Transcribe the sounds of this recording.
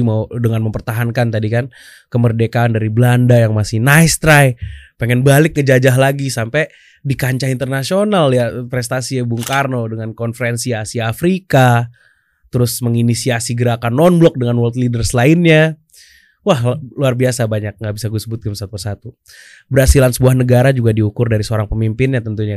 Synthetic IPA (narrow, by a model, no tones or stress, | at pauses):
maudəŋanməmpərt̪aɦankant̪adikan | kəmərdekaːndaɾiblandajaŋmasɪhnajst̪ɾajpeŋɛnbalɪk̚ŋəd͡ʒad͡ʒaɦlaɡisampɛ | dikaɲt͡ʃaɦint̪ərnasionaljapɾɛst̪asiabuŋkarnodəŋankɔnfəɾɛnsiasiaːfɾika | t̪əɾʊsməŋinisiasiɡəɾakanːɔnblɔk̚dəŋanwɔlt̪lidərsəlaɪnɲa | wahluarbiasabaɲak̚ŋɡaʔbisaɡusəbʊt̪̚ɡamsat̪̚pərsat̪u | bərhasilansəbuahnəɡaɾad͡ʒuɡadiukʊrdaɾisəoɾaŋpəmimpɪnɲat̪ənt̪uɲa